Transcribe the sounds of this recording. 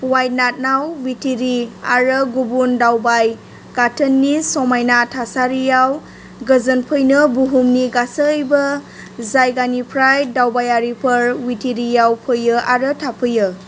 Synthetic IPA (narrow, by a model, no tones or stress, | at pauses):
wajt̚nat̚nawːitʰiɾia̰ɾəɡubundawbaj | katʰənːisɔmajnatʰasaɾijaw | ɡəzənpʰəjnɯbuɦumniɡasəːjbə | zajɡanipʰɾajdawbajaɾipʰəɾwitʰiɾijawpʰɯjɯaɾətʰapʰɯjɯ